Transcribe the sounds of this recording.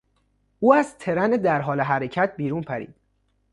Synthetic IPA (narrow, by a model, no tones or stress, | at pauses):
ʔuːæzt̪ʰe̞ɾæned̪æɾɦɒːleɦæɾecʰæt̪̚ʰbiːɾuːnpʰæɾḭːd̪̥